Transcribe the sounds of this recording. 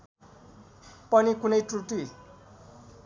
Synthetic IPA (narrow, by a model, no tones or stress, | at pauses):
pʌnikunʌjʈuʈi